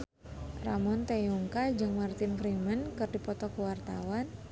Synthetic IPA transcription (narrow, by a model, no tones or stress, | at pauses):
ramɔnt̪euŋkad͡ʒɨŋmart̪ɪnfɾimənkɨrdipɔt̪ɔkuwart̪awan